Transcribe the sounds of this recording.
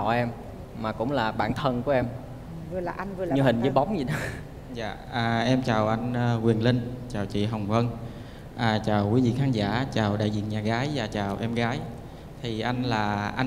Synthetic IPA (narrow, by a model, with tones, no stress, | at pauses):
ɔ̰˧˩ʔɛ˧m | maː˨˩kʊ̰˧˥wŋ͡mlaː˨˩ɓa̰ː˧˨nt̪ʰə˧nku˧˩ʔɛ˧m˨˩˨ | ɲɨ˧hï˨˩ŋəː˨˦jɓa˨˦wŋ͡mzi˨˩ɗɔ˨˦ | za̰ː˧˨ | əː˨˩ʔɛ˧mt͡ɕaː˨˩wʔa˧jŋː˧ɣwi˨˩ənlï˧ŋt͡ɕaː˨˩wt͡ɕḭ˧˨ɦə˨˩wŋ͡mvə˧n | ʔəː˨˩t͡ɕaː˨˩wkwi˨˦vḭ˧˨xaː˨˦nza̰ː˧˥t͡ɕaː˨˩wɗa̰ː˧˨jzḭ˧˨əŋɲaː˨˩ɣaː˨˦jvaː˨˩t͡ɕaː˨˩wʔɛ˧mɣaː˨˦j | t̪ʰi˨˩ʔa˧jŋ̟laː˨˩ʔa˧